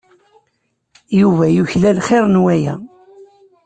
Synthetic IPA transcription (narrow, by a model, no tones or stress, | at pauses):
juvæjuçlælχeɾˤnwæjæ̰